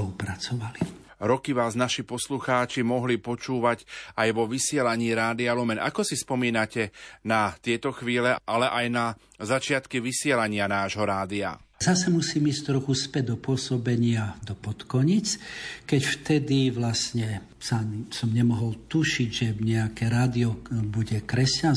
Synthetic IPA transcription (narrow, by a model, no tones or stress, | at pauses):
ɔlupɾat͡sɔʋali | ɾɔkiʋaːznaʃipɔsluxaːt͡ʃimɔɦlipɔt͡ʃuːʋacajʋɔʋisɪɛlaɲiːɾaːd̪ialumɛnʔa̰kɔsispɔmiːnacɛnat̪ɪɛt̪ɔxʋiːlɛʔalɛʔajna | zat͡ʃɪat̪kiʋisɪɛlaɲɪanaːʒɦɔɾaːd̪ia̰zasɛmusiːmiːscʲt̪ɾɔxuspɛɟ̚d̪ɔpʊɔsɔbɛɲɪad̪ɔpɔt̪kɔɲit͡skɛcft̪ɛd̪iʋlasɲɛ | sasɔmɲɛmɔɦɔlt̪uʃiɟʒɛɲɛakɛɾaːd̪iɔbuɟɛkɾɛscan